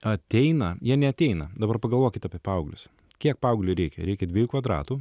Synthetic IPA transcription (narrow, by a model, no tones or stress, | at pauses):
ɐt̪ʲɛɪnɐjiɛnʲɛɐt̪ʲɛɪnɐd̪ɐbɐrpɐɡɐlˠʋoːkʲɪt̪ʲɐːpʲiɛpɐʊɡlʲʊ̰s | kʲiɛk̚pɐʊɡlʲʊɾʲɛɪkʲɛɾʲɛɪkʲɛd̪ʲʋʲeɛjuːkʋɐd̪ɾɑ̰ːt̪uː